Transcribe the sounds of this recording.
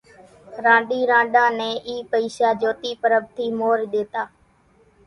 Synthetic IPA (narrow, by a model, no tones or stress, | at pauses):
ɾãːɗiːɾãːɗãːnɛ̃ːʔiːpəiːʃaːd͡ʒoːt̪iːpəɾəb̚t̪ʰiːmoːɾɗeːt̪aː